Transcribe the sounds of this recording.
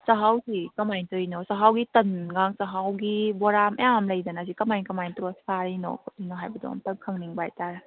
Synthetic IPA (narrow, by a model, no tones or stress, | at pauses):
sɐɦawsikɐmajntɯjnɔsɐɦawɡitɐnɡaŋsɐɦawɡibɔɾamʔɐjamlɐjdanazikɐmajnkɐmajntɔsaɾinɔ̰kʰɔtinɔɦajbɐdɔ̰mtɐŋkʰɐŋniŋbajtaɾa